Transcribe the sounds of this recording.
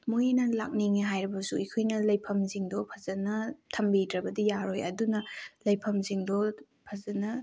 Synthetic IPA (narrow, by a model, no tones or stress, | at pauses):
mojnɐla̰k̚niŋeɦajɾɐbɐsuikʰojnɐlɐjpʰɐmziŋdɔpʰɐzɐnɐtʰɐmbidɾɐbɐdijaɾojɐ̰dunɐlɐjpʰɐmziŋdɔ | pʰɐzɐnɐ